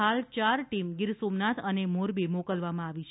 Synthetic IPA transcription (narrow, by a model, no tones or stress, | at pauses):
alt͡ʃaɾʈimɡɪɾsomnat̪ʰənemoɾbimɔkəlʋamãaʋit͡ʃʰ